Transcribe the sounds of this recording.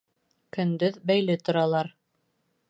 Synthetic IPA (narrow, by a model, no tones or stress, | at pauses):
kɵ̆nd̪ɵðbæjlɘt̪ŏɾɑlˠɑɾ